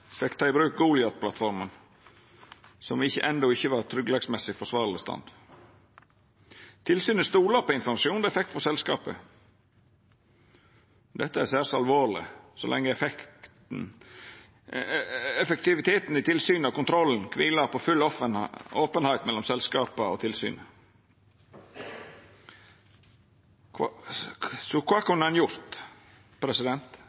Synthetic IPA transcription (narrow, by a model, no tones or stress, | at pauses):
fɛkt̪ʰɑːɪbɾʉːk̚ɡuːlɪɑt̪̚pʰlɑ̰t̪fɔɾmən | sɔmɪçːə̰ʔɛnd̪ɔɪçːəʋɑɾt̪ʰɾʏɡlɛɡsmɛsɪfɔʂʋɑːɾləst̪ɑ̰nd̪̥ | t̪ʰɪlsyːnəst̪uːlɑɾpɔɪnfɔɾmɑʃɪuːnd̪ɔɛfɛk̚t̪fɔsɛlskɑ̰ːpə̰ | d̪ɛt̪ːəæsæːɾsɑlʋoːɾɭɪ̰sɔ̰lɛ̰ŋːəɛfɛkt̪n̩ | ɛfəkt̪ɪʋɪt̪ʰeːt̪n̩ɪt̪ʰɪlsyːnɑkʊnt̪ɾɔlːn̩kʰʋɪːlɑpʰɔfʉl | oːpənhɑɪt̪mɛlːɔmsɛlskɑːpəɔ̰t̪ʰɪlsy̰ːnə | kʰɑ | sɔkʰʋɑːkʉnːəɛnjʊɾt̪ | pʰɾɛsɪd̪ɛnt̪